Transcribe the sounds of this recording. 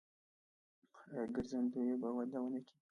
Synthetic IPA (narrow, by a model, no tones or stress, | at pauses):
ɡəɾzand̪ujebawad̪awənaki